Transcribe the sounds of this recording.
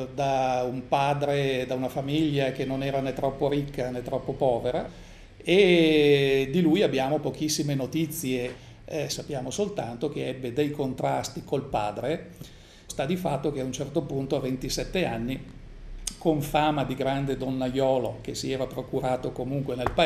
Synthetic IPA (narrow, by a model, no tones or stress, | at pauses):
d̪aumpaːd̪ɾed̪aunafamiʎːak̟enonɛːɾanet̪ːɾɔpːoɾikːanet̪ːɾɔpːopɔːveɾa̰ | e | d̪ilujabːjaːmopok̟isːimenot̪it̪sːje | sapːjaːmosolt̪a̰nt̪okeɛbːed̪ejkont̪ɾa̰st̪ikolpa̰ːd̪ɾe | st̪ad̪ifat̪ːok̟eaunt͡ʃɛrt̪opunt̪oavent̪isɛt̪ːeanːi | koɱfaːmad̪iɡɾand̪ed̪onːajɔːlok̟esiɛːvapɾokuɾaːt̪okomuŋkwenelpa